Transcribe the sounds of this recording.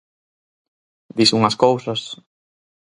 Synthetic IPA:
d̪isuŋɐskowsɐs

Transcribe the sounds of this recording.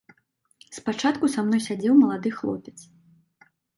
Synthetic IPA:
spat͡ʂat̪kusamnɔjsʲad͡zʲɛwmɐlˠad̪ɨxlˠɔ̰pʲɛt̪s

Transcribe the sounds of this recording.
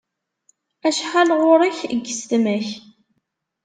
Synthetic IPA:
æʃħalʁʊɾˤəçəɡːəst̪mæç

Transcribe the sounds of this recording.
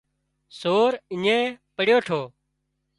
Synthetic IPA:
soːɾɪɲẽːpəɽjoːʈʰoː

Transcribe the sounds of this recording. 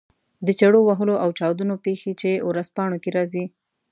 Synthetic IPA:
d̪ət͡ʃaɽowaɦəloʔawt͡ʃɑwd̪unopexet͡ʃewɾazpɑɳokeɾɑzi

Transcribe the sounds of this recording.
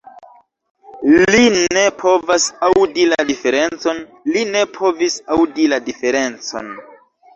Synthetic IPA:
line̞pʰo̞vasawdiladife̞ɾe̞nt͡so̞nline̞pʰo̞visawdiladife̞ɾe̞nt͡so̞̰n

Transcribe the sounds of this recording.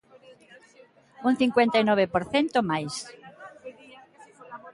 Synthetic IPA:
unθiŋkwent̪ajnɔβ̞epoɾθent̪omajs

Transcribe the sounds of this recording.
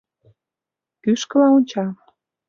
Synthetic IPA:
kyʃkə̆lɑunʲt͡ɕɑ

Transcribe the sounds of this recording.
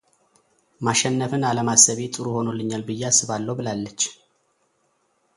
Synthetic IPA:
maʃɛnːəfɨnaləmasəβet̪ʼɨɾuho̞nolːɨɲːalbɨjːeasɨβalːəwbɨlalːət͡ʃː

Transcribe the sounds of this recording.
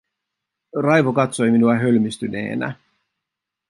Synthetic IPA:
rɑjʋokɑt̪so̞jminuɑɦølmist̪yne̞̰ːnæ̰

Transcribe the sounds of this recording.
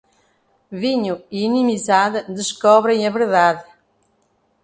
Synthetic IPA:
viɲuiinimizaðɨd̪ɨʃkɔβɾẽj̃ɐβɨɾðaðɨ

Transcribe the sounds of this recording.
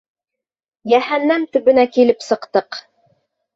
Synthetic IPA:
jæhænːæmt̪ɵ̆βɵ̆nækilɘpsɤ̆qt̪ɤq

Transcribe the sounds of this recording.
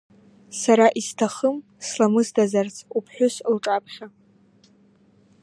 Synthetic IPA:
saɾaʔiztʰaχəm | slamɨzdazart͡sʰʼupʰħʷᶣʊslʈ͡ʂʼapʰχʲa

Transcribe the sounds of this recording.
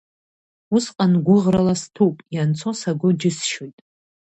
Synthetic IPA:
usqʼanɡʷʊʁralastʰupʼjant͡sʰo̞saɡʷʊd͡ʒɪsʃojtʼ

